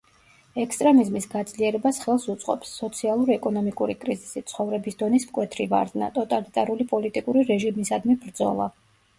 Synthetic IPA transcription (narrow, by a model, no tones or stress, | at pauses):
ɛkst̪ʼɾɛmizmisɡad̪zliɛɾɛbasχɛlˠsut̪sʼqʼɔ̰psːɔt̪sʰialˠuɾiɛkʼɔnɔmikʼuɾikʼɾizisit̪sʰχɔvɾɛbisd̪ɔnismkʼwɛt̪ʰɾiva̰ɾd̪na̰t̪ʼɔt̪ʼalit̪ʼaɾulipʼɔlit̪ʼikʼuɾiɾɛʒimisad̪mibɾd̪zɔ̰lˠa̰